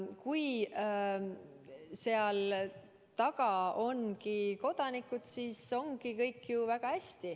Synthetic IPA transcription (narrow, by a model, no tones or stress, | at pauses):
kuj | se̞ɑl | t̪ɑɡɑo̞nkiko̞d̪̥ɑnikˑud̪̥siso̞ŋɡ̥ikɤjkːjuvæɡ̥ɑhæsʲt̪i